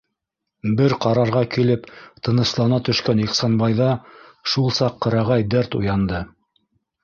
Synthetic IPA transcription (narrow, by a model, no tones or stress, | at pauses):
bɘɾqɑɾɑɾʁɑkilɘpt̪ɤ̆nɤ̆slˠɑnɑt̪ɵ̆ʃkæniqsɑnbɑjðɑʃulˠsɑqːɤ̆ɾɑʁɑjd̪æɾt̪ṵjɑnd̪ɤ